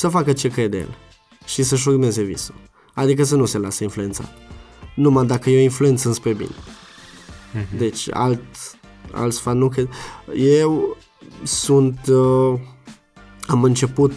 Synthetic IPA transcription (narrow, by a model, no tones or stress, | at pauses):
səfakət͡ʃe̞kɾe̞d̪jḛl | ʃisəʃ̬urme̞ze̞vḭsu | ad̪ik̬əs̬ənuse̞lasəinflue̞nt̪sa̰t̪numad̪akəjeinflue̞nt̪sɨnspɾebḭne | d̪e̞t͡ʃʲa̰lt̪ | a̰lt̪sfannukɾed̪jew | sunt̪ | amɨnt͡ʃe̞put̪